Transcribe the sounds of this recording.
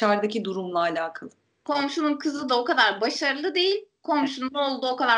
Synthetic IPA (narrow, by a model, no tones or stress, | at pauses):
aɾd̪acid̪uɾumlˠaːlʲaːkʰalˠɯ | kʰo̞mʃununkʰɯzɯd̪ao̞kad̪aɾbaʃaɾɯlˠɯd̪e̞jilʲkʰo̞mʃunuo̞lˠd̪uːo̞kad̪a